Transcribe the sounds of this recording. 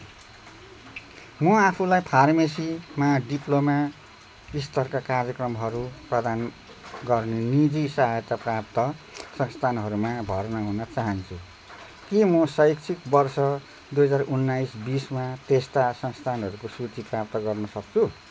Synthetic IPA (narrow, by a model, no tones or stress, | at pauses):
mʌapʰulajpʰarmesimaɖiploma | ist̪ʌrkakarjʌkrʌmɦʌɾuprʌd̪an | ɡʌrnenid͡zisʌɦajʌt̪aprap̚t̪ʌsʌŋst̪ʰanɦʌɾumabʱʌrnʌɦunʌt͡saɦʌnt͡sʰu | kemʌsʌjksʰikbʌrsʌ | d̪ujɦʌd͡zarunːaisbismat̪est̪asʌŋst̪ʰanɦʌɾukosut͡siprap̚t̪ʌɡʌrnʌsʌk̚t͡sʰu